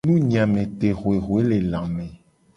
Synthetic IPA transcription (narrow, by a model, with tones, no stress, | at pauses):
nũ˦ɲĩ˨ã˨mẽ˨t̪e˨ɣo˨e˨ɦo˨e˦le˨lã˨mẽ˨